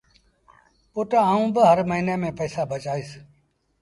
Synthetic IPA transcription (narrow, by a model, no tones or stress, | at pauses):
pʊʈaːũːbəɦəɾməɦiːneːmẽːpəːsaːbʱət͡ʃaːiːs